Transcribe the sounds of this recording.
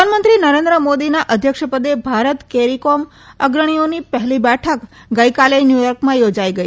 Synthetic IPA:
panmənt̪ɾinəɾẽnd̪ɾəmod̪inaʔəd̪ʱjəkʃəpəd̪ebʱaɾət̪keɾikom | əɡɾəɽ̃ionipəɦlibɛʈʰək | ɡəjkalenjujɔɾkmãjod͡ʒaiɡəi

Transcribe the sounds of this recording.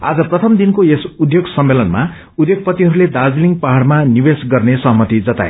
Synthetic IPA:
a̰d͡zʌprʌt̪ʰʌmd̪inkoesud̪ʱjoɡsʌmːelʌnma | ud̪ʱjoɡ̚pʌt̪iɦʌɾuled̪ad͡zliŋɡpʌɦaɽmanibesɡʌrnesʌɦʌmʌt̪id͡zʌt̪a̰ḛ

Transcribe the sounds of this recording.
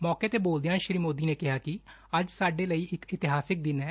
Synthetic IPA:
mɔːkeːt̪eːboːld̪ejãːʃɾiːmoːd̪iːneːkɪɦaːkɪ | əd͡ʒsaːɖeːləiːʔɪkɪt̪ɪɦaːsɪk̚d̪ɪnɛː

